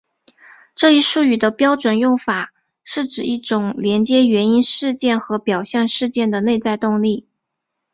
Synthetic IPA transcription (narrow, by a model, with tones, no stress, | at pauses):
ʈ͡ʂɤ˥˧i˥˧ʂu˥˩y˨˩d̪ə˦pjɑ˥ʊʈ͡ʂwə˨˩njʊ˥˩ŋfa˨˩ | ʂɻ̩˥˩ʈ͡ʂɻ̩˨˩i˥˩ʈ͡ʂʊ˨˩˦ŋljɛ˧˥nt͡ɕjɛ˥ɥɛ˧˥ni˥nʂɻ̩˥˧t͡ɕjɛ˥˩nxɤ˧˥pjɑ˨˩ʊɕjɛ˥˧nʂɻ̩˥˧t͡ɕjɛ˥˩nd̪ə˩ne˥˧ɪt͡sa˥˧ɪt̪ʊ˥˧ŋli˥˩